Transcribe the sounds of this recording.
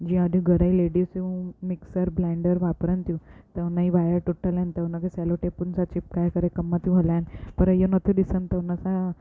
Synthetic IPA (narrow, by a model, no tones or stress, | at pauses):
d͡ʑĩəd̪ʱiɡəɽəileɽiːsumiksəɾblɛɳɖəɾʋapɾənt̪jũt̪enaiʋajəɾʈuʈʰːəlãnt̪ewnakesɛloʈepunsat͡ɕip̚kajkəɾekəmːat̪jũɦolanpəɾəjonət̪ʰud̪isənt̪əwnasa